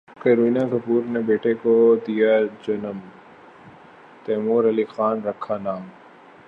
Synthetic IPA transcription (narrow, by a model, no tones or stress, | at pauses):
kɐɾiːnakɐpuːɾnebeːʈekod̪ijad͡ʒɐnəm | t̪ɛːmuːɾɐlixaːnɾɐkʰːanaːm